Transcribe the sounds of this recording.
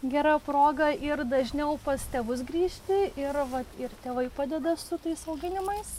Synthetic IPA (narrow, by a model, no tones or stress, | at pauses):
ɡʲɛɾɑpɾoːɡɐʔɪrd̪ɐʒʲnʲɛʊpɐst̪ʲeːʋʊs̬ɡɾʲiːʃʲt̪ʲɪɪɾʋɐt̪ɪrt̪ʲeːʋɐɪpɑːd̪ʲɛd̪ɐsʊt̪ɐɪsɐʊɡʲɪnʲɪmɐɪs